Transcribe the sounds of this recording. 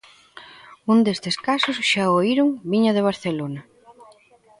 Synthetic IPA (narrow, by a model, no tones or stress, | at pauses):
und̪est̪eskasosʃaoiɾʊŋβiɲaðeβ̞aɾθelonɐ